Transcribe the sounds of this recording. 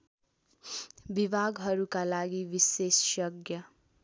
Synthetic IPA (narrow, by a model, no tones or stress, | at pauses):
bibʱaɡɦʌɾukalaɡibisessjʌɡjʌ